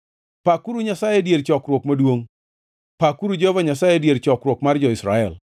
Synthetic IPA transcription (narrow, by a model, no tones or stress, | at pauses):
pakuɾuɲasajedjeɾt͡ʃɔkɾwokmadwoŋ | pakuɾud͡ʒovaɲasajedjeɾt͡ʃɔkɾwokmard͡ʒɔɪsɾa̰ɛl